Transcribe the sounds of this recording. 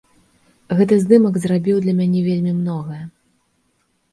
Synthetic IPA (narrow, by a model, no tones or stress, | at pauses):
ɣɛt̪ɨzd̪ɨmɐɡzɾabʲiwd̪lʲɐmʲanʲɛvʲelʲmʲimnɔɣɐjɐ